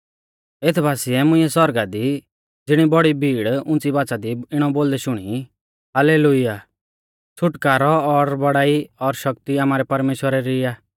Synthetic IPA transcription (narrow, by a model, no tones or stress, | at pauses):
et̪ʰbʱaːsiɛmʊ̃ĩɛsɔɾɡad̪i | d͡zɪɽ̃ibɔɽibʱiːɽʊ̃nt͡sibaːt͡sad̪iɪɽ̃ɔboːld̪ɛʃʊɽ̃i | ɦaleːlʊja | t͡sʰʊʈkaːɾɔːɾbɐɽaːiɔɾʃɐk̚t̪iaːmaːɾɛpɐɾmeːʃwəɾɛɾiaː